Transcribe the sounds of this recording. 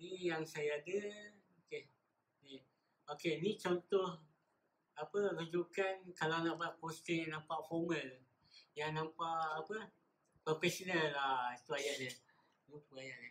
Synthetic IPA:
nijaŋsajaːdə | oke | ni | okenit͡ʃɔnt̪oh | apəlod͡ʒukankalanaʔbat̪̚kost̪əŋjaŋnãmpaʔfɔməl | jaŋnãmpaʔapə | pəfɛsonalːahit̪uajaʔdə | nupuajaʔda

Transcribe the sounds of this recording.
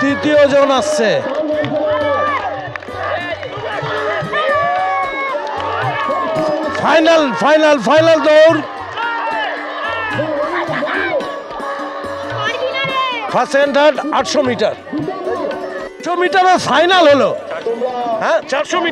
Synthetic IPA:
t̪ɾit̪iod͡ʑonast͡ɕʰe | fʰajnalpʰajnalpʰajnald̪owɾ | fʰaseɳʈaʈaʈʃomiʈaɾ | omiʈaɾeɾpʰajnalɦolo | ɦɛ̃t͡ɕaɾʃomi

